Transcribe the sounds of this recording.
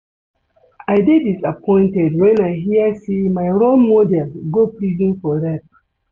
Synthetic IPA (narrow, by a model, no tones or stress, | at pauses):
aɪdedisapʰɔ̃ɪ̃ntɛdwɛ̃naɪɦiəsemaɪɾolmɔdɛlɡoplizĩnfɔɾɛp̚